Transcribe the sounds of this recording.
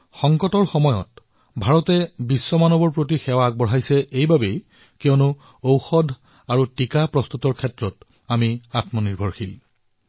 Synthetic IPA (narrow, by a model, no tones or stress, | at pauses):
xɔŋkɔtɔɹxɔmɔjɔ̰t̚ | bʱaɹɔtɛbisːɔmanɔbɔɹpɹot̬ixɛwak̚bɔɹ̤ɦajsɛʔejbabej | kɛɔnʊ | owxɔdʱ | aɹutikapɹɔst̪utɔɹkʰɛtɹɔt | amiatmɔniɹbʱɔɹxil